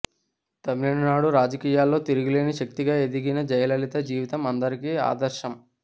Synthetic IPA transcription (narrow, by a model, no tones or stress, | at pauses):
t̪ɐmiliɳɐnaːɽuɾaːd͡ʒɐkiːjaːlːo̞ːt̪iɾuɡile̞ːniʃɐk̚t̪iɡaːe̞d̪iɡinɐd͡ʒɐjɐlɐlit̪ɐd͡ʒiːʋit̪ɐmɐnd̪ɐɾikiːa̰ːd̪ɐɾʃɐm